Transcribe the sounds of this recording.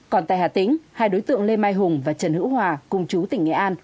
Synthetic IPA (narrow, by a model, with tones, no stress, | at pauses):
kɔ˨˩nt̪a̰ː˧˨jhaː˨˩t̪ï˨˦ŋ̟haː˧jɗo˨˦jt̪ɨ̰˧˨əŋle˧maː˧jɦʊ˨˩ŋ͡mvaː˨˩t͡ɕə˨˩nhɨ̰˧˥whɦwaː˨˩kʊ˨˧˩ŋ͡mt͡ɕu˨˦t̪ï˧˩ŋŋɛ̰˧˩ʔaː˧n